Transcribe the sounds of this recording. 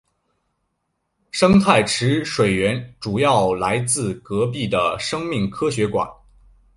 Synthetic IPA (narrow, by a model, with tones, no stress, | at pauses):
ʂɤ˥ŋt̪ʰa˥˩ɪʈ͡ʂʰɻ̩˧˥ʂwe˨˩ɪɥɛ˧˥nʈ͡ʂu˨˩jɑ˥˩ʊla˧˥ɪt͡sɹ̩˥˩kɤ˧˥p̬i˥˩d̪ə˩ʂɤ˥ŋmi˥˩ŋkʰɤ˥ɕɥɛ˧˥kwa̰˨˩˦n